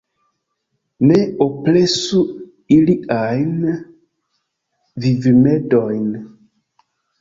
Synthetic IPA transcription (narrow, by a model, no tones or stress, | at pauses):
neoplesu | iliajn | vivimedojn